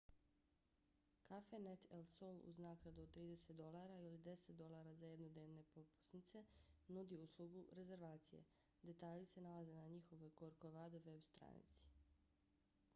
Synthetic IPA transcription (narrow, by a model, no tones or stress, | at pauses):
kafenet̪ʰelsolṵznaːɡɾad̪uot̪ɾiːd̪ese̞t̪d̪o̞laɾailid̪e̞set̪d̪o̞lˠaːɾazajed̪nod̪neːʋne̞popu̥snit̪se̞nud̪iuslˠuɡuɾe̞ze̞ɾʋaːt̪sije̞̰ | d̪e̞t̪aːʎise̞nalaze̞naɲixo̞ʋojkoɾkoʋaːd̪eʋe̞bst̪ɾa̰nḭt̪si̥